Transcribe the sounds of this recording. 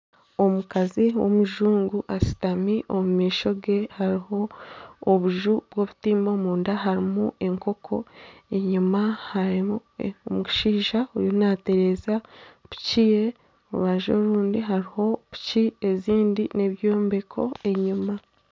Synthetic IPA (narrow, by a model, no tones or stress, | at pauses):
o̞mukaziwo̰muʒuːŋɡuʔasi̥tamiʔomumiːʃo̞ɡe̞haɾiho̞ː | βuʒubwo̞βutiːmomuːndaɦaɾimuʔe̞ŋko̞kʰo̞e̞ɲumahaɾiomuɡi̥ʃiːʒaujonaːte̞ɾe̞zaβucije | oṵβaʒo̰ɾuːndiɦaɾiho̞βu̥cie̞ziːndineβjoːmbe̞kʰo̞̰e̞ɲuma